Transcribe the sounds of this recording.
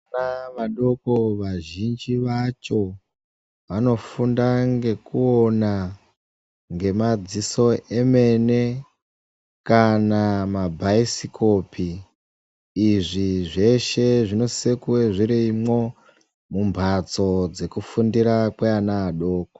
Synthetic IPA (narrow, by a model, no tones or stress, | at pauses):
naʋaɗo̞koʋaʒind͡ʒiʋat͡ʃo̞ | ʋano̞fundaŋɡe̞kuona | ŋɡe̞mad͡ziso̞ʔe̞me̞ne̞ | kanamabʱaisikʰo̞pʰi | ʐiʐe̞ʃe̞ʐino̞sekuweʐiɾiimwo̞ | mumbʱat͡so̞d͡ze̞kufundiɾakweanaːɗo̞ːko